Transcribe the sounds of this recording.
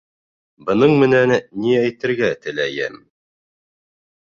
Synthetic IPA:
bɤ̆nɤɴmɘ̆nænːiæjt̪ɘ̆ɾɡæt̪ɘ̆læjɘ̰m

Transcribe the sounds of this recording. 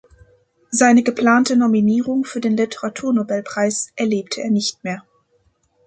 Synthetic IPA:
zaɪnəɡəpl̥aːntənominiːʁ̞ʊŋfyːɐdeːnlɪtʰəʁatʰuːɐnobɛlpʁ̥aɪsʔɛɐleːp̚tʰəḛːɐnɪçtmeːɐ

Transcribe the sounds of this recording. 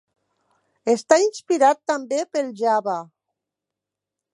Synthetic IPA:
est̪ainspiɾat̪ːambepelʒaβa

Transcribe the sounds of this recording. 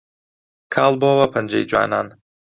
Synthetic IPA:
kʰaːlˠbowɐpʰɐnd͡ʒɐ̰jd͡ʒwa̰ːnaːn

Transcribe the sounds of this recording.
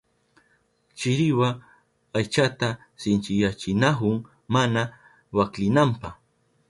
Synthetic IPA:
t͡ʃɪɾɪwa | ajt͡ʃat̪a | sɪnt͡ʃɪjat͡ʃɪnaɦʊŋ | mana | waklɪnampɑh

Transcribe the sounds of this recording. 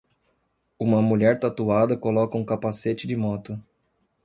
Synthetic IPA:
ũmɐmuʎɛɾt̪at̪uad̪ɐkolɔkɐũkapaset͡ʃɪd͡ʒɪmɔt̪ʊ

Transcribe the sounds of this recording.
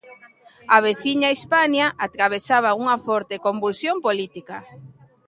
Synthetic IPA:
aβeθiɲaispanjaʔat̪ɾaβ̞esaβauŋɐfɔɾt̪ekombulsjompolit̪ika

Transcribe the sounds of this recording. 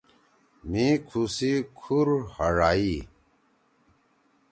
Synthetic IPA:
mĩkʰusikʰuɾhəɽaːi

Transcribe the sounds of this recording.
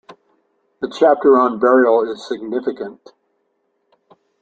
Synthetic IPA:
ðɨt͡ʃʰæp̚tə˞ə̃nbɛɹil̩ˠɪz̥sɨɡ̚nɪfɨkɨ̃nt

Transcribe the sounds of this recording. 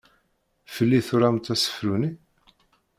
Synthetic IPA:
fəlːiθʊɾamt̪æsə̥fɾuni

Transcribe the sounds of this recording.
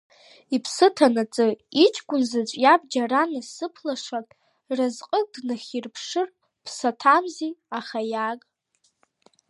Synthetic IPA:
ipʰsɨtʰanat͡sʼɨit͡ʃʼʰɡʷʼʊnzat͡ʃʷʼjab̚d͡ʒaranasɨpʰlaʂakʼ | razqʼək̚ʼdnɨχʲirpʰʂɨr | pʰsatʰamziaχajakʼ

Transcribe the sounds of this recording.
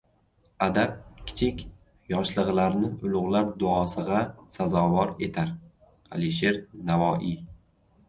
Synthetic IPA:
ad̪ap̚kʲʰɪ̥t͡ʃʰɪkʲ | jɒʃlˠɨʁlaɾnɪʊlˠʊʁlaɾd̪ʊɒsɨʁasazɒvɒɾe̞t̪ʰaɾ | a̰liʃe̞ɾnavɒʔi

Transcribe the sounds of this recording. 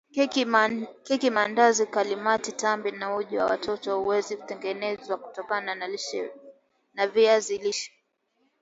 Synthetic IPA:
kikimandazikalimatitambinauʄuwa̰wa̰tʰɔtɔhuwɛziku̥tɛŋɡɛnɛzwaku̥tɔkananaliʃɛ̰ | naviaziliʃɛ̥

